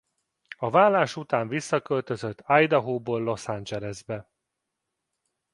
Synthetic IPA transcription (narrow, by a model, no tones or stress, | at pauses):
ɒvaːlːaːʃut̪aːɱvisːɒkølt̪øzøt̪ːajd̪ɒɦoːboːlːo̞sand͡ʒɛlɛzbɛ